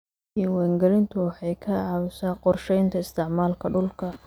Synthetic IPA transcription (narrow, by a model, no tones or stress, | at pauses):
iwɛŋɡɐlɪnt̪ʰʊwɑħɑjkʰɐʕɑβʊsaːqɔrʃɛjnt̪ʰɐɪst̪ʰɪʕmaːlkʰɐɖʊlkʰɐ